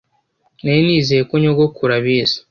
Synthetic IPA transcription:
neniːzijekoɲoɡokuɾaβiːsḁ

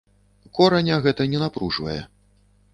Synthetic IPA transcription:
kɔɾɐnʲɐɣɛt̪ɐnʲɛnapɾuʐvɐ̰jɛ̰

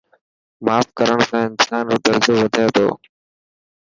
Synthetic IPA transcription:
maːfkəɾəɽ̃sãːɪnsaːnɾoːt̪əɾzoːʋəd̪ʱat̪ʰo̰ː

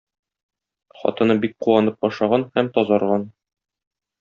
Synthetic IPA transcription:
χɒ̰t̪ɤ̆nɤbik̚quwɑnɤp̚ɒʃɑʁɑnhæmt̪ɒzɑɾʁɑn

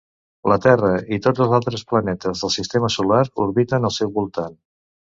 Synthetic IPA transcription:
lət̪ɛrəit̪ozəlˠzalˠt̪ɾəsplənɛt̪əzðəlˠsist̪eməsulaɾuɾβit̪ənəlˠsɛwβulˠt̪an

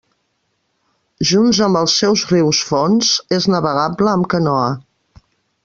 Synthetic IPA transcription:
ʒunzəmbəlˠsːɛwzriwsfɔnz̥eznəβəɣ̞abləːmkənɔə

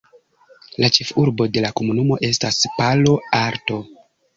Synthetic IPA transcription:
lat͡ʃe̞fuɾbo̞de̞lakomunumo̞ʔe̞staspalo̞aɾto̞

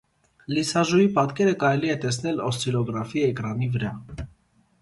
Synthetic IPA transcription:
lisɑʒuipɑt̪kɛɾəkɑɾɛliɛt̪ɛsnɛlɔst̪ʰilɔɡɾɑfiɛkɾɑnivəɾɑ

